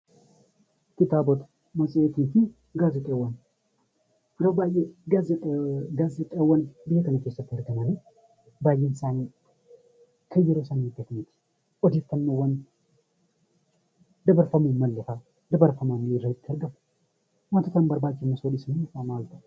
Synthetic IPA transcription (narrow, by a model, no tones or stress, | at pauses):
kɪt̪aːbɔt̪ | mɐsʼeːt̪iːfɪ | ɡaːzɛt̪ʼewɐn | jɾɐwbaːjeɡazɛtɡaːzɛt̪ʼeːwɐnbɪhɛkɐnɐkeːsːɐt̪ːɪɐɾɡɐmɐne | baːjːɛnɪsaːni | kʰɐjːɛɾosɐnid̪ɐt̪mɪt̪ɪ̥ | ʔɔd̪it̪ːɐnːowɐn | d̪ɐbɐɾfɐmumɐlːɐfa | d̪ɐbɐɾfɐmamːɪɾɐɪt̪ːɪɐɾɡɐmʊ̥ | mɐt̪ɐt̪ɐnbɐɾbaːd͡ʒːɪmɐsolɪsɪnisamaːlt̪ɐ̥